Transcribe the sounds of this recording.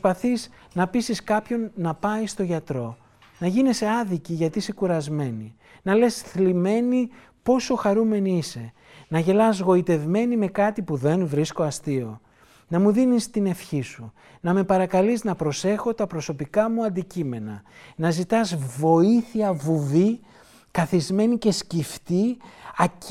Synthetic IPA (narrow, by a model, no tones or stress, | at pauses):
spɐθiz | nɐpisiskɐpço̞nːɐpɐjst̪o̞ʝɐt̪ɾo̞ | nɐʝinese̞ɐðiciʝɐt̪iise̞kuɾɐzme̞ni | nɐle̞sθlime̞ni | po̞so̞xɐɾume̞niise̞ | nɐʝe̞lɐzɣo̞it̪e̞vme̞nime̞kɐt̪ipuðe̞nvɾisko̞ɐst̪io̞̰ | nɐmuðinist̪ine̞fçisu | nɐme̞pɐɾɐkɐliznɐpɾo̞se̞xo̞t̪ɐpɾo̞so̞pikɐmuɐnd̪icime̞nɐ̰nɐzit̪ɐzvo̞iθiɐvuvi | kɐθizme̞nice̞scift̪iɐ